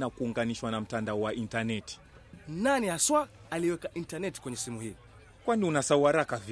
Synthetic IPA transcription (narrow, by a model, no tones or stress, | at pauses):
nakuːŋɡaniʃwanam̩tandaɔwaʔintanɛti̥ | nanihaswaː | liwɛkaʔintanɛti̥kwɛɲɛsimuhi | kwaniunasauhaɾakav